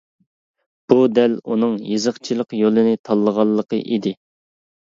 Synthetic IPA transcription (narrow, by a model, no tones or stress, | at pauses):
b̥ud̪ælunɨŋjɨzəqt͡ʃʰilˠəqjolˠɨnɨt̪ʰɑlˠːəʁɑlˠːəqə̰ʔid̪ɪ